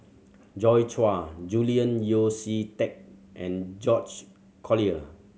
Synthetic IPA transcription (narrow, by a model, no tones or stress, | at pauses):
d͡ʒɔjt͡ʃwad͡ʒuliə̃njositɛk̚ʔɛ̃nd͡ʒɔt͡ʃ | kʰɔliə